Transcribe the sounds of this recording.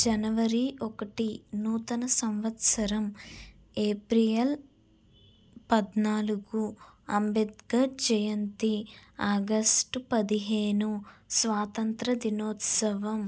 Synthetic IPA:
d͡ʒɐnɐʋɐɾiʔɔkɐʈinuːt̪ɐnɐsɐmʋɐt̪sɐɾɐm | eːpɾijel | pɐd̪naːluɡuɐmbed̪̚ɡɐd͡ʒɐjɐnt̪iaːɡɐsʈpɐd̪iɦeːnusʋaːt̪ɐnt̪ɾɐd̪inoːt̪sɐʋɐm

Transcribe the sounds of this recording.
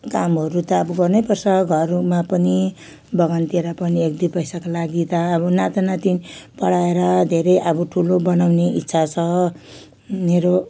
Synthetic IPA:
kamɦʌɾut̪ʌːbʌɡʌrnepʌrsʌɡʱʌrmapʌni | bʌɡʌnt̪ieɾʌpʌniekd̪upʌjsakolaɡit̪ʌːbʌnat̪anat̪inpʌɽaeɾʌd̪ʱeɾʌjʔʌbʌʈʰulobʌnawneʔitːsʰat͡sʰʌ | meɾo

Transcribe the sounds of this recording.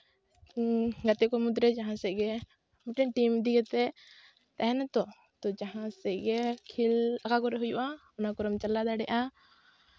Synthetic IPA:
ɡat̪ɛkɔmud̪ɾɛd͡ʒaɦãsɛɡɛ | mɛʈɛnʈimd̪iɡɛt̪ɛ | t̪aɦɛnat̪ɔ | t̪ɔd͡ʒaɦãsɛʔɡɛkʰilakakɔɾɛɦujuʔaɔnakɔɾɔmt͡ʃalad̪aɽɛʔa

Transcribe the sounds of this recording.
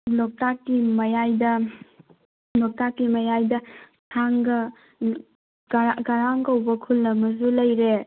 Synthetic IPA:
lɔk̚takːimɐjajdɐ | lɔk̚takːimɐjajdɐ | tʰaŋɡɐ | ɡaɾaŋkɐwbɐkʰulːɐmɐzulɐjɾe

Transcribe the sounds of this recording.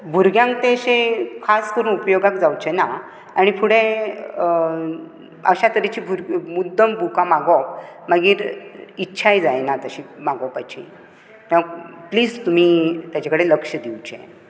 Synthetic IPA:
bʱuɾɡjãŋkt̪eɕekʰaskəɾuːnupjoɡakd͡zawt͡ɕena | aɽ̃ipʰuɽẽ | ə̰ɕat̪əɾet͡ɕiːbʱuɾɡmud̪ːəmbʱukamaɡɔpmaɡiːɾitːɕʰajd͡zajnat̪əɕimaɡɔpat͡ɕḭ | məɡpliːd͡zt̪um̤iːt̪jat͡ɕakəɽeləkʂəd̪iwt͡ɕḛ

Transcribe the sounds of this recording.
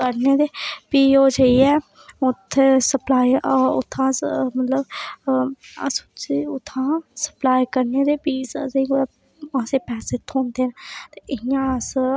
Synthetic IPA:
kəɾneːd̪eːpiːoːd͡ʒeiɛː | ʊt̪ʰːesəplaːiʊ̰t̪ʰːãːmət̪ləb | ə̰st͡ʃiʊt̪ʰːãːsə̥plaːikəɾneːd̪eːpiːsd͡ʒeio | ãːseːpɛːseːt̪ʰõːnd̪eːnt̪eʔɪɪjãːəs

